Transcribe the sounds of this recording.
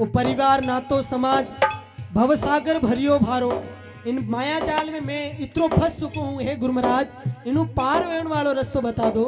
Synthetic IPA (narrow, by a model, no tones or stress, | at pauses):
opɐɾɪʋaːɾnaːt̪osɐmaːd͡ʒ | bʱɐʋsaːɡəɾbʱɐɾijobʱaːɾoː | ɪnmaːjat͡ɕaːlmẽmɛ̃ɪt̪ɪɾobʱɐssʊkʰoɦũɦeːɡʊɾməɾaːd͡ʒɪnũpaːɾʋeːəɽ̃ʋaːɭoɾɐst̪oɓɐt̪aːd̪oː